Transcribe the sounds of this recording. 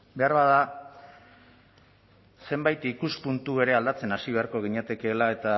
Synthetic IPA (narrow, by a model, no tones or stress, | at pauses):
be̞aɾβað̞a | se̞mbajt̪ikuspunt̪ue̞ɾe̞ald̪at͡se̞nasiβ̞e̞aɾko̞ɣiɲeat̪e̞ke̞ːlae̞t̪a